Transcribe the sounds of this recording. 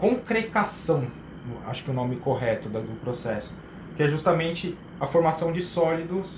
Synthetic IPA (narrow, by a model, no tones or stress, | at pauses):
kõkɾekasɐ̃w̃ | a̰ʃʊ̥kɪʊnõmɪkoɦɛt̪ʊd̪ɐd̪ʊpɾosɛsʊ̥ | kɪɛʒust̪amẽnt͡ʃɪ | ɐfoɾmasɐ̃w̃d͡ʒɪsɔlid̪ʊs